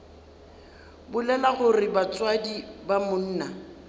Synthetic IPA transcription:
bʊlɛlaχʊrɪbat͡sʼwadibamʊn̩ːna

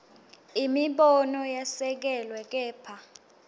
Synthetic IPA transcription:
imiɓɔnɔjasɛk̬ɛlwɛk̬ɛːpʰa

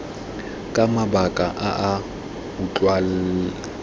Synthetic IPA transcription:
kʼamabakʼaʔaʔa | ʊt͡ɬʼwal

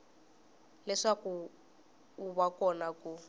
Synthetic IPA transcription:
lɛʂaku | uβakɔnaku

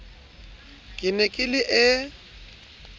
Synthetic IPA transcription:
kʼɪnɛkʼɪlɪʔɪ

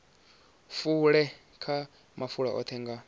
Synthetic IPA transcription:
fuɺɛ | kʰa | mafuɺa̰ʔɔ̰t̪ʰɛŋɡa

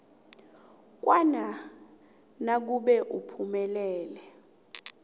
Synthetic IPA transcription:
k̬wana | nak̬uɓɛʔupʰumɛlɛːlɛ

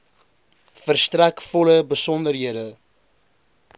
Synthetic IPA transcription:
fərstrɛkfɔləbəsɔndərɦiədə

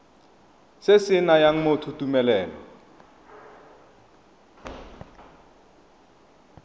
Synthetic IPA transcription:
sɪsɪnajaŋ̩motʰutumɛlɛːlɔ

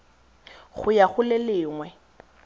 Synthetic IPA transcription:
χʊjaɣʊlɪlɪːŋwɛ

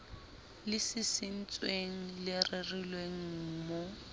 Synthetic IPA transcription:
lɪsɪsɪn̩t͡sʼweŋ̩lɪrɪrilweŋ̩ːmʊ

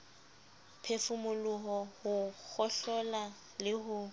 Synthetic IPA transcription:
pʰefʊmʊlʊɦɔhʊk͡xɔɬɔla | lɪɦʊ

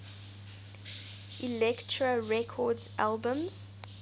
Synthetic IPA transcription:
ʔilɛktʰɹəɹɛkʰɔdzalbə̃mz̥

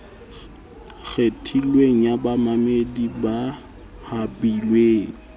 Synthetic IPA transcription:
ɣetʰilweŋ̩jabamamediba | habilweːŋ̩

